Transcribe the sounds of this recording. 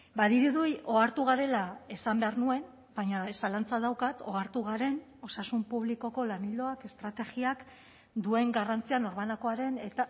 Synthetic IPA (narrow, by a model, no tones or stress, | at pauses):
baðiɾuðujo̞aɾt̪uɣ̞aɾe̞lae̞sambe̞aɾnue̞n | baɲasalant͡saðawkat̪o̞aɾt̪uɣ̞aɾe̞n | o̞sasumpuβ̞liko̞ko̞lanild̪o̞ake̞st̪ɾat̪e̞ɣiak | d̪ue̞ŋɡarant͡siano̞ɾmanako̞aɾe̞ne̞t̪a